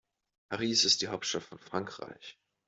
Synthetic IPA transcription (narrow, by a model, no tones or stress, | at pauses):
pʰaʁiːsɪst̚d̥iːɦaʊp̚tʃtaftfɔnfʁ̥aŋkʁ̥a̰ɪç